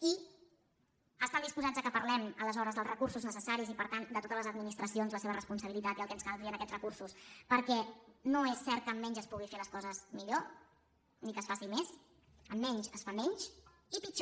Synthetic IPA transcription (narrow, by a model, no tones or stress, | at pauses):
i | əst̪and̪ispuzad͡zzəkəpəɾlɛmələzɔɾəzðəlˠrəkursuznəsəsaɾizipəɾt̪and̪ət̪ot̪ələzəd̪minist̪ɾəsionzləseβərəspunsəβ̞ilit̪at̪iəlˠkɛnskalˠfiənəkɛtt͡sz̥rəkursuspəɾkɛnoesːɛɾt̪̚kəmːɛɲʒəspuɣ̞ifeləskɔzəzmiʎo | nikəsfasimes | əmːɛɲʃəsfamɛɲʃ | ipit͡ʃ